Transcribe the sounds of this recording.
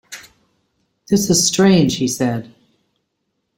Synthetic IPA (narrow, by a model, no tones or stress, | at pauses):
ðɪsɨz̥stɹ̥ẽɪ̃nd͡ʒ̥hisɛd̥